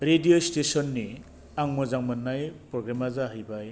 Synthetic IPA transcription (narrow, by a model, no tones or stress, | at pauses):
ɾediostesɔnːi | aŋmɔzaŋmɯnːajpɾɔɡɾamazaɦɯjbaj